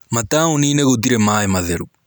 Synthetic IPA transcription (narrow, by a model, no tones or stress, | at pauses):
mɐt̪aːuniːneɣot̪̬iɾemaːjemɐðeɾu